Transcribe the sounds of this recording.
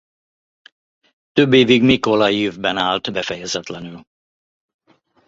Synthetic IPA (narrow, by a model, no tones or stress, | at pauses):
t̪øbːeːviɡmikolɒivbɛnaːlt̪bɛfɛjɛzɛt̪lɛnyl